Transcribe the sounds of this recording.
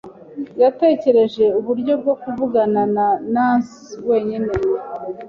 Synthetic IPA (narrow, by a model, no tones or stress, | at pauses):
jate̞ːce̞ɾe̞ʒe̞uβuɾɟo̞b̚ɡo̞kuvuɡanananansiwe̞ːɲine